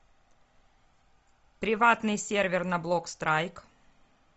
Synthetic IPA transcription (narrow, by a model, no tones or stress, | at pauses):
pɾʲɪvat̪nɨjsʲervʲɪrnɐblˠokst̪ɾʔajk